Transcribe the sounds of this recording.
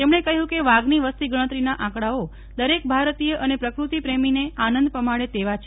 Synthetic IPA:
t̪emɳ̃ekəɦũkeʋaɡniʋəst̪iɡəɽ̃ət̪ɾinaʔãkɽao | d̪əɾek̚bʱaɾt̪ijəʔənepɾəkɾut̪ipɾemineanənd̪pəmaɽet̪eʋat͡ʃʰe

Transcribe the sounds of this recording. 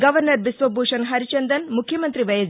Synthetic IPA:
ɡɐʋɐɾnɐɾʋisʋɐbʱuːʂɐnɦɐɾit͡ʃɐnd̪ɐnmukʰjɐmɐnt̪ɾiʋɐjɐd͡ʒ

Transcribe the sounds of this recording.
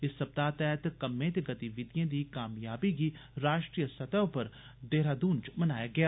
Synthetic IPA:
ɪsːɐb̚d̪aːt̪ɛːɦt̪kɐmːẽt̪eɡɐt̪iʋɪd̪ijẽd̪ikaːmjaːbikiɾaːʃʈɾiːjəsɐt̪əʋpɐɾ | d̪eːɾaːd̪ũːnd͡ʒmɐnaːjaɡɐjaː

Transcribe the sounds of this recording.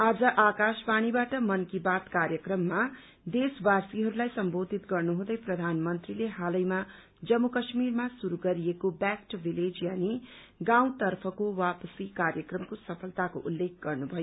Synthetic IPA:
ad͡zʌʔakaspaɽ̃ibaʈʌmʌnkibat̪kaɾjʌkrʌmːa | d̪esbasiɦʌɾulajsʌmbod̪ʱit̪ɡʌrnuɦũd̪ʌjprʌd̪ʱanmʌnt̪rileɦalʌjma | d͡zʌmːukʌsmirmasuɾuɡʌɾiekobakʈbiled͡zjani | ɡaw̃t̪ʌrpʰʌkowapʌsikaɾjʌkrʌmkosʌpʰʌlt̪ako̰ʔulːek̚ʰɡ̥ʌrnubʱʌjo

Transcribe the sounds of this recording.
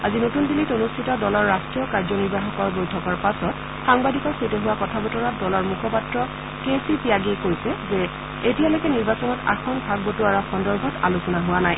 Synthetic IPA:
azinotundilitonustʰitɔdɔlɔɹːastɹijɔkaɹzɔniɹbaxɔkɔɹbojtʰɔkɔɹpasɔt | xaŋbadikɔɹsetɛɦʊwakɔtʰabɔtɔɹatdɔlɔɹmukʰɔpatɹɔ | kesipiaɡekojsɛzɛ | etijalojkɛniɹbasɔnɔta̰xʰɔnbʱaɡ̚botuaɹɔxɔndɔɹbʱɔta̰lusɔnaɦʊwanaj

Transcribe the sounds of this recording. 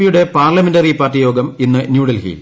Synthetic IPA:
ijuɽe̞paːrlɐmendɐripaːrtːijo̞ːɡɐminːɨnjuːɽɐlhḭːl

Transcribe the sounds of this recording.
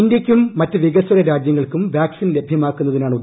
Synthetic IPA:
indjɐkʲːumːɐtːɨʋiɣɐsɐɾɐɾaːd͡ʑjɐŋːɐɭkumʋjaːksinle̞bʱjɐmaːkːunːɐðinaːɳu

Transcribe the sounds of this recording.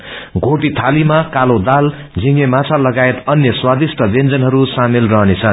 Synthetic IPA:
ɡʱoʈit̪ʰalimakalod̪al | d͡zʱiŋemat͡sʰalʌɡaet̪ʌnjʌswad̪isʈʰʌbend͡zʌnɦʌɾusamilrʌɦnet͡sʰʌn

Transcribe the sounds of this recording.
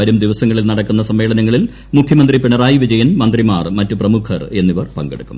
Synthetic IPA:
ɐɾumd̪iʋɐsɐŋːɐɭilnɐɽɐkːunːɐsɐmʋe̞ːɭɐnɐŋːɐɭil | mukʰjɐmɐnd̪ripiɳɐraːjiʋid͡ʑɐjɐnmɐnd̪rimaːrmɐtːuprɐmukʰɐre̞nːiʋɐrpɐŋɡḛɽukːum

